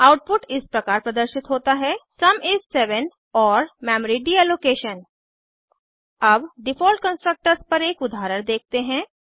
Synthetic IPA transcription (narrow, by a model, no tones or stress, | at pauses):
aːʊʈ̚pʊʈɪspɾɐkaːɾpɾɐd̪əɾʃɪt̪ɦoːt̪aɦɛsɐmɪssɛːʋən | ɔːɾmɛːmɾiɖiɛloːkeːʃən | ɐbɖɪfʰɔːlʈkə̃nsʈɾək̚ʈəɾspɐɾeːkʊd̪ʱaːɾəɾ̃d̪eːk̚t̪eɦɛ̃ː